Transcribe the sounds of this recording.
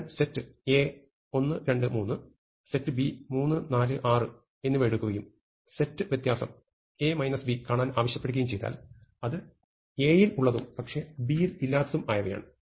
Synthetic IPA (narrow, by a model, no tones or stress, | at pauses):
nsetːɨeː | o̞nːɨɾe̞ɳɖɨmuːnːɨ | se̞tːɨbimuːnːɨnaːlɨʔaːrɨ | e̞nːɨʋeɽukːuɣɐjum | setːɨʋjɐt̪jaːsɐ̰m | e̞ːmɐjnɐsbikaːɳaːnaːʋɐɕjɐpːeɽukːɐjumt͡ɕejt̪a̰ːlɐðɨ | e̞ːjiluɭːɐðumpɐkʂe̞bijililːaːt̪ːɐðumaːjɐʋɐja̰ːɳɨ